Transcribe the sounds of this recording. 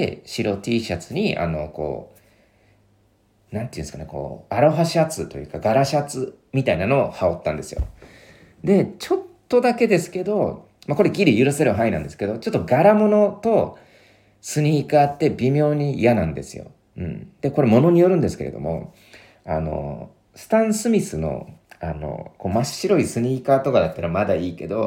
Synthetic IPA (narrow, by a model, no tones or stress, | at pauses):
eɕiɾo̞t̪ʲiːɕat͡sɨɲ̟ia̰no̞̰ko̞̰ː | nãnt̪eiɯ̃nsɨ̥kaneko̞̰ːaɾoɦaɕat͡sɨt̪o̞jɯ̟ːkaɡaɾaɕat͡sɨ | mʲit̪ainano̞ːhao̞t̪ːãnd̪e̞sɨjo̞̰ | d̪e̞t͡ɕo̞t̪ːo̞d̪ake̞d̪e̞sɨ̥ke̞d̪o̞ | mako̞ɾe̞ɡʲiɾʲijɯ̟ɾɯ̟se̞ɾɯ̟ɦainãnd̪e̞sɨ̥ke̞o̞t͡ɕo̞t̪ːo̞ɡaɾamo̞no̞t̪o̞ | sɨɲ̟iːkaːt̪ːe̞bʲimʲo̞ːɲ̟ijanãnd̪e̞̰sɨjo̰ | ɯ̟̰̃ɴd̪̥e̞ko̞ɾe̞mo̞no̞ɲ̟ijo̞ɾɯ̟̃nd̪esɨ̥kḛɾe̞̰o̞̰mo̞̰ | a̰no̞̰ | sɨ̥t̪ãɰ̃sɨmʲisɨno̞̰a̰no̞̰ko̞ːmaɕiɾo̞isɨɲ̟iːkaːt̪o̞kad̪at̪ːaɾamad̪aiːke̞d̪o̞